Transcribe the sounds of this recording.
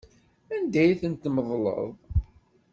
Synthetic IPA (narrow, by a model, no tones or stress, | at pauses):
ænd̪æjθənt̪məðˤlə̰ðˤ